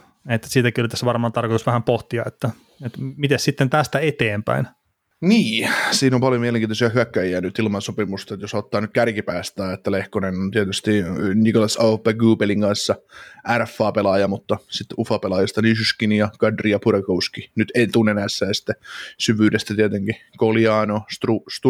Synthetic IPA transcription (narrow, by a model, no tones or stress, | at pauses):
et̪ːæ̥siːt̪ækiyolːt̪æsːʋɑrmɑːnt̪ɑrkot̪usʋæhæmpoht̪iɑet̪ːæ | et̪mit̪essit̪ːent̪æst̪æet̪eːmpæ̰in | niːsiːnompɑljomiɛleŋkiːt̪osiæhyækːæjiænyt̪ilmɑnsopimust̪ɑt̪josot̪ːɑːnyt̪̚kærkipæːst̪æːet̪ːælehkonenont̪iɛt̪yst̪inikolɑsɑupːæɡuːpeliŋɡ̥ɑnsːɑæræfːɑːpelɑjɑmut̪ːɑsit̪ːufɑpelɑjɑst̪ɑnisyskinijɑkɑdrijɑpurekouskinyt̪eit̪unːenæːsːæːsi̥t̪ːesyʋyːdest̪æt̪iet̪eŋkikolijɑːnost̪rust̪u